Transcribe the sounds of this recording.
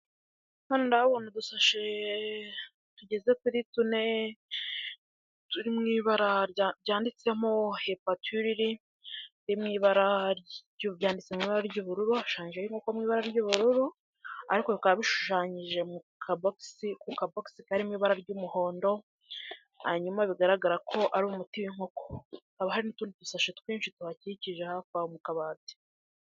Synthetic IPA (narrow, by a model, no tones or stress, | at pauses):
manondaβonodusaʃe | tuɟe̞ze̞kuɾitune̞ | tuɾimŋiːβaɾaɾɾɟaːndit͡se̞mo̞hepatuɾiɾi | dimŋiːβaɾaɟuvjaːndit͡semŋiːβaɾaɾɟuːβuɾuɾuau̥ʃaːɲiʒejiŋokomŋiːβaɾaɾɟuːβuɾuɾu | aɾikoβikaβaβiʃu̥ʃaːɲiʒe̞mukʰaboksikukaboksikaɾimŋiːβaɾaɾɟuːmuho̞ːndo̞ | haɲumaβiɡaɾaɡaɾakʰo̞ʔaɾuumutiwiŋho̞kʰo̥haβahaɾinituːnditusaʃetkwiːɲʃituhaciciʒehakwaomukaβaːze̥